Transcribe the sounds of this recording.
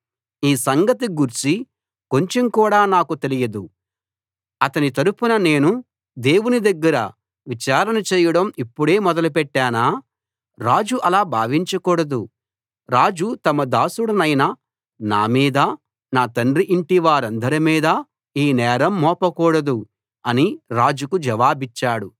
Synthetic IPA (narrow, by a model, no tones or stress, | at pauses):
iːsɐŋɡɐt̪iɡuɾt͡ʃi | ko̞ɲt͡ʃe̞mkuːɽaːnaːkut̪e̞lijɐd̪u | ɐt̪ɐnit̪ɐɾupunɐne̞ːnu | d̪e̞ːwunid̪ɐɡːɐɾɐ̰ | ʋit͡ʃaːɾɐnɐt͡ʃeːjɐɽɐmipːuɽe̞ːmɔd̪ɐlupɛʈːaːnaː | ɾaːd͡ʒuʔɐlaːbʱaːʋiɲt͡ʃɐkɔːɽɐd̪u | ɾaːd͡ʒut̪ɐmɐd̪aːsuɽɐnɐjnɐ | na̰ːmiːd̪ɐ | naːt̪ɐɳriʔiɳʈiʋaːɾɐnd̪ɐɾimiːd̪ɐ | iːnɛːɾɐmːɔːpɐkɔːɽɐd̪u | ɐniɾaːd͡ʒukud͡ʒɐʋaːbit͡ʃːaːɽu